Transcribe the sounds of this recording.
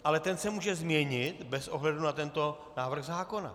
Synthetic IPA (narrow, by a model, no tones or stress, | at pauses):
ʔalɛt̪ɛnsɛmuːʒɛzmɲɛɲɪt̪bɛsʔo̞ɦlɛdunat̪ɛnt̪o̞ | naːvr̩ɣzaːko̞na̰